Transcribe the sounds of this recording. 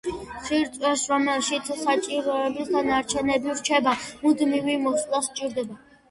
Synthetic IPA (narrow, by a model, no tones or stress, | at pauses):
siɾt̪ʼwɛsɾɔmɛlʃit̪sʰsat͡ʃʼiɾɔɛbisɡ̪anaɾt͡ʃʰɛnɛbiɾt͡ʃʰɛbamud̪mivimɔslˠast͡ʃʼiɾd̪ɛba